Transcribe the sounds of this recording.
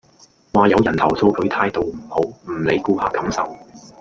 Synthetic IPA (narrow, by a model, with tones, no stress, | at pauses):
waː˨jɐ˨˧wjɐ˨˩nt̪ʰɐ˨˩wsʰo˧wkʰɵ˨˥ɥt̪ʰaː˧jt̪o˨wm̩˨˩ho˨˥wm̩˨˩le˨˧jkuː˧haː˧kɐ˨˥msɐ˨w